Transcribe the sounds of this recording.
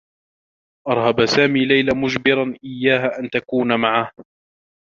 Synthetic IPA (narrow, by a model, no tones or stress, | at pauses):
ʔɑɾˤhabasaːmiːlajlamʊd͡ʒbɪɾanʔɪjːaːɦaʔant̪akuːnamaʕah